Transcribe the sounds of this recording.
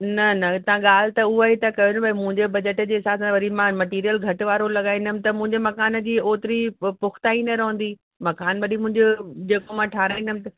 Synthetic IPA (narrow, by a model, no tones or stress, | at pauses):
nɐnɐt̪ɐʋ̤ãɠaːl̤t̪ɐʊɦaɦet̪ɐkɐjõñbʱɐimʊ̃ɦɪ̃ɲd͡ʑebɐd͡ʑəʈd͡ʑeːɪsaːsãʋɐɾimãmɐʈiːɾijəlɡʱɐʈʋaːɾolɐɠaːĩndəmɪ̃̆t̪ɐmʊ̃ɦɪ̃ɲd͡ʑemɐkaːn̆d͡ʑiːoːt̪ɪɾipʊxʰt̪aːinɐɾɐɦə̃n̆d̪iː | mɐkaːnʋɐɗimʊ̃ɦɪ̃ɲd͡ʑod͡ʑeːkomãːʈʰaːɾaːĩndəmɪ̃t̪ɐ